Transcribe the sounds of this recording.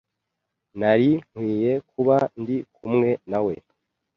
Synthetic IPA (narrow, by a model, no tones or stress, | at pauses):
naɾiŋ̥wiːje̞kuβandikʰumŋe̞nawe̞̰